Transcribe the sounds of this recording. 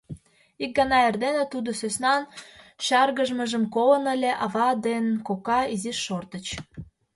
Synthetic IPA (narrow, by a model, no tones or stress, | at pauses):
ik̚ɡɑnɑerd̪enet̪ud̪osøsnɑnɕɑrɣəʒməʒəmkolənəlʲeʔɑvɑd̪enkokɑiziʃːort̪ət͡ɕ